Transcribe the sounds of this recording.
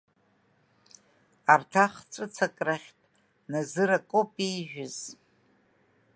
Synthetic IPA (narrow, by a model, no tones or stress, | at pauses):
artʰaχt͡sʷʼɨt͡sʰakʼraχʲtʼ | nazɨɾakʼopʼijʒᶣʊz̥